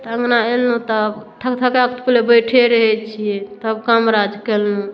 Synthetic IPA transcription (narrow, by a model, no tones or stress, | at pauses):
t̪əŋɡnaelnũt̪ɔbt̪ʰəkt̪ʰəkeəkt̪pulebəjʈʰeɾəɦɛt͡ʃʰiɛt̪ɔəbkamɾad͡ʒkelũ